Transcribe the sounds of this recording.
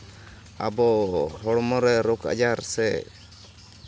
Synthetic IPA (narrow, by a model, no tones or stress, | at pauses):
abɔhɔɽmɔɾɛɾɔka̰d͡ʒaɾsɛ